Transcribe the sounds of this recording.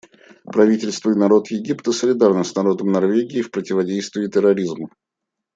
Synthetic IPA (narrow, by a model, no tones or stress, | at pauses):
pɾɐvʲitʲɪlʲst̪vəɪnɐɾo̞t̪jɪɡʲipt̪əsəlʲɪd̪arnəsnɐɾo̞d̪əmnɐrvʲeɡʲɪːfpɾətʲɪvɐdʲejst̪vʲɪːt̪ʲɪrɐɾʲizm